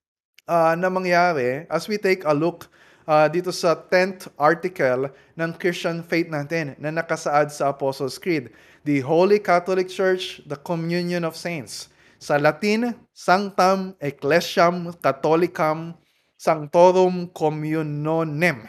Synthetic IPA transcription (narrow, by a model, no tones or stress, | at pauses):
ʔanɐmɐŋjaːɾɛʔɐswit̪ejkɐluk | ʔad̪iːt̪osɐt̪ɛnt̪ʔaɹt̪ɪkɐl | nɐŋkɾist͡ʃɐ̃nfejt̪̚naːt̪ɛnːɐnɐkɐsɐʔad̪sɐʔɐposolskɹid̪̚ | d̪iɦowlikat̪olɪk̚t͡ʃɛɹt͡ʃd̪ɐkomjunjõnɔv̥sẽjnt̪sː | ɐlɐt̪in | saŋt̪ɐmʔɛklɛʃɐmkɐt̪olɪkɐm | sɐŋt̪oɾomkomjʊnonɛm